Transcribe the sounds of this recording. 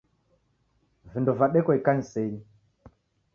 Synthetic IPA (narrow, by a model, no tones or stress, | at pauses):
vindɔvaɗɛkɔikanisɛɾi